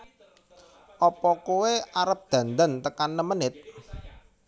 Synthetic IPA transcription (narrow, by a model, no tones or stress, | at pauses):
ʔɔpɔkuweʔaɾəp̚d̪̥ä̤nd̪ənt̪əkanːəmənɪt̪̚